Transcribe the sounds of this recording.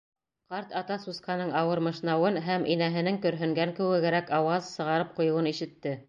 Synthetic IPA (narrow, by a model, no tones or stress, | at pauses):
qɑɾt̪ɑt̪ɑsusqɑnɤɴɑwɤɾmɤ̆ʃnɑwɤnɦæmʔinæɦɘ̆nɘŋkɵ̆ɾɦɵ̆ŋɡæŋkɘ̆wɘ̆ɡæɾækɑwɑzsɤ̆ʁɑɾɤp̚qŏjɤ̆wɤniʃɘ̆t̪ːɘ